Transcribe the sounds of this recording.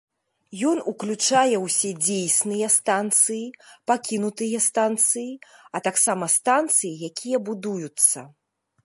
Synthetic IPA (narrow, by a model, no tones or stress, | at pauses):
jɔnuklʲut͡ʂajɛwsʲɛd͡zʲejsnɨjɐst̪ant̪sɨjipakʲinut̪ɨjɐst̪ant̪sɨjiɐt̪aksamɐst̪ant̪sɨjijakʲʰijɐbud̪ujut̪sːɐ